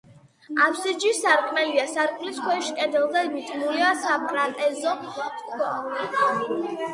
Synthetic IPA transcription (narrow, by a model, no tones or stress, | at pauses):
apʰsid͡ʒisaɾkʼmɛliasaɾkʼmliskʰwɛʃi̥kʼɛd̪ɛlˠd̪ɛmit̪ʼnuliasapkʼɾat̪ʼɛzɔkʰɔ